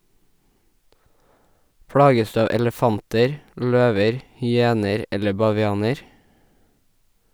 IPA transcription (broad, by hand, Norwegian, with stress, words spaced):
ˈpɽɑːɡəs ˈdʉː ˈɑːʋ ɛləˈfɑntəɹ ˈʎøːʋəɹ hʏˈeːnəɾ ˈɛlə bɑʋɪˈɑːnəɹ